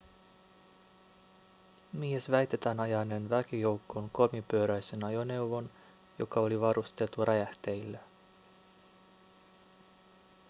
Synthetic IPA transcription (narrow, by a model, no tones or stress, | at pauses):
miesʋæjt̪e̞t̪ænɑjɑjnenʋækijo̞wkːoŋko̞mipø̞ːɾæjse̞nɑjo̞ne̞wʋo̞n | jo̞̰kɑo̞liʋɑɾust̪e̞lt̪urʔææht̪ejlːe